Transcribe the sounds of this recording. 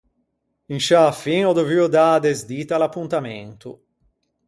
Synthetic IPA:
inʃaːfiŋɔd̪oviod̪ad̪ezd̪iːt̪alapːunt̪amɛ̰nt̪ṵ

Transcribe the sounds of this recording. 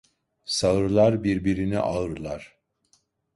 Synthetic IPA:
saɯɾlˠaɾbiɾbiɾinḭʔaɯɾlˠaɾ̥

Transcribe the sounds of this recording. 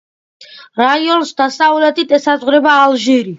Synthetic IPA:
ɾaiɔnsd̪asavlɛt̪ʰʼit̪ʰʼɛsazʁɾɛbaːlʒiɾi

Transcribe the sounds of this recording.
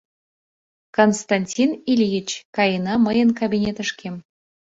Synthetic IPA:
konst̪ɑnʲtʲinilʲijit͡ɕkɑjənɑməjənkabʲinʲet̪ə̆ʃkʲʰem

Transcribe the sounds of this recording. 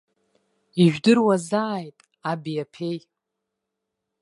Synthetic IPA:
iʒᶣdɨrwazaːjtʼ | abijapʰe̞j

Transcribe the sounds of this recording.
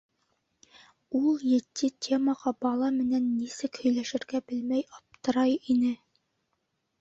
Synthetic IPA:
ulˠjɘ̆t̪ːɘtʲʰe̞mɑʁɑbɑlˠɑmɘ̆nænːisɘkhɵ̆jlæʃɘ̆ɾɡæbɘlmæjɑp̚t̪ɤ̆ɾɑjinɘ

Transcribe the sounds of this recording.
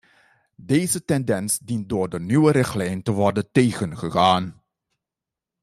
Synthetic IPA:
dejzətɛndɛnsdint̚dʊːɹdənywəɾɪχtlɛjntəʋɔɹdəntejχənχəχaːn

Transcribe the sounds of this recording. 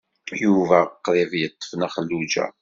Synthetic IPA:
juvæqːɾɪvjət̪ːə̥fnæχəlːud͡ʒæ̰

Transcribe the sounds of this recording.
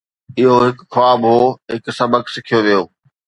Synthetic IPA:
ɪɦoɦɪkxʋaːbɦoːɦɪksɐbʱəksɪkʰijoʋijoː

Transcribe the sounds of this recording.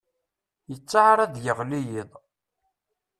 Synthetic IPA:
jət͡sːaʕaɾˤaðjəʁlijiðˤ

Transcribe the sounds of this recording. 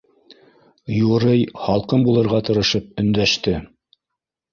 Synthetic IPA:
juɾɤjhɑlˠqɤmbulˠɤ̆ɾʁɑt̪ɤ̆ɾɤ̆ʃɤp̚ɵ̆nd̪æʃt̪ɘ

